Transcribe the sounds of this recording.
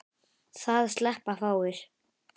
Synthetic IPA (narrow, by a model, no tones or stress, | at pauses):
θaðst̪lɛhpafaːwɪɾ̥